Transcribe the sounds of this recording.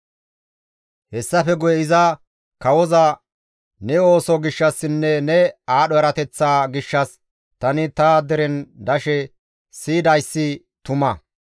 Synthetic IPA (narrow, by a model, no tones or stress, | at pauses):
hɛsːɐfɛɡʊjɛɪzɐ | kɐwɔzɐ | nɛo̞ːsɔɡɪʃːɐsːɪnːɛnɛaːɗɔjɛɾɐt̪ɛt͡sːaːɡɪʃːɐs | t̪ɐnɪt̪ɐd̪ɛɾɛnd̪ɐʃɛ | siːd̪ɐjsːɪ | t̪ʊmɐ